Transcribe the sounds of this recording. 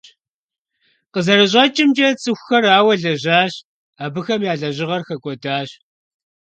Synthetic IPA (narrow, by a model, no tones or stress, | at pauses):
qəzɐrɨɕʼɐt͡ʃʼɪmd͡ʒʼɐt͡sʼɨxʷxɐraːwɐɮɐʑaːɕ | aːbɨxɐmjaːɮɐʑɪʁɐrxɐkʷʼɔdaːɕ